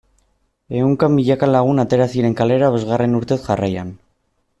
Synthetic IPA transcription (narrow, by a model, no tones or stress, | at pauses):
e̞uŋkamiʎakalaɣ̞unat̪e̞ɾasiɾe̞ŋkale̞ɾaβe̞zɣare̞nuɾt̪e̞sʝaraja̰n